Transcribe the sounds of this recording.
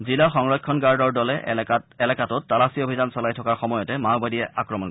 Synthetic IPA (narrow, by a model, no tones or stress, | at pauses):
zilaxɔŋɹɔkʰːɔnɡaɹdɔɹdɔlɛɛlakatɔtːalasiobʱizansɔlajtʰɔkaɹxɔmɔjɔtɛmawbadijɛʔakɹɔmɔnkɔ